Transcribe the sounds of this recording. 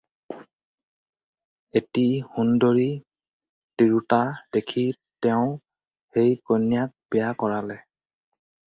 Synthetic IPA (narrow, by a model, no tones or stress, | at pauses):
etihundoɹi | tiɹutad̥ekʰi | tɛʊ̃ | hejkonjak̚bɛjakɔɹalɛ